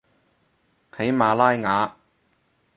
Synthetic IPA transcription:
kʰe˨˥jmaː˨˧laː˥jŋaː˨˧

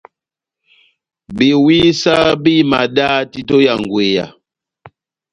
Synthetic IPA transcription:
bi˨wi˦sa˦bi˦ma˨da˦ti˦to˦ja˨ŋ˨ɡwe˨ja̰˨

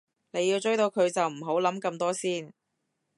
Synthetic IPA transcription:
ne˨˧jːi˧wt͡ʃɵ˥jt̪o˧wkʰɵ˨˧ɥt͡sɐ˨wm̩˨˩ɦo˨˥wlɐ˨˥mkɐ˧mt̪ɔː˥siː˥˩n

